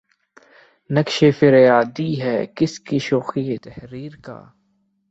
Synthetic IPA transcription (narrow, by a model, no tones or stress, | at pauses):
nɐkʃefɪɾjaːd̪iɦɛːkɪskiʃoːxiet̪ɛhɾiːɾka̰ː